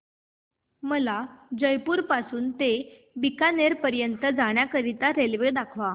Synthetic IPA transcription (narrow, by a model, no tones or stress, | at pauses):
məlad͡ʑəjpuːɾpasuːnt̪e | bikaneɾpəɾjənt̪əd͡zaɽ̃jakəɾit̪aɾelʋed̪akʰʋa